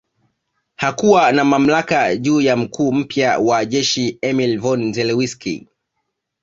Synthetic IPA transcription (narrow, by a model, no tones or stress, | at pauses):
hakuwanamam̩lakaʄuːjam̩kʰuːm̩pjawaʄɛʃiɛmilvɔnzɛlɛwiskḭ